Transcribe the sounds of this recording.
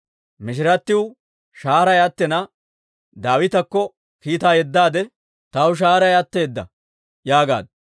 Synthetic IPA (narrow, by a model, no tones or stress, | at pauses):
mɪʃ̬ɪɾɐt̪ːɪw | ʃaːɾɐjɐt̪ːɛnɐ | d̪aːwɪt̪ɐkːɔ | kiːt̪aːjɛd̪ːaːd̪ɛ | t̪ɐwʊʃ̬aːɾɐjɐt̪ːeːd̪ːɐ̰ | jaːɡa̰ːd̪